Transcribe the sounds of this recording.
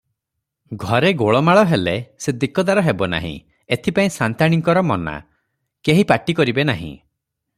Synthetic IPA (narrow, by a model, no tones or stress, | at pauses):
ɡʱɔɾeɡoɭɔmaɭɔɦelesed̪ikɔd̪aɾɔɦebɔna̰ɦḭ̃ | et̪ʰipaĩsant̪aɽ̃iŋkɔɾɔmɔna̰ | keɦipaʈikɔɾibenaɦḭ̃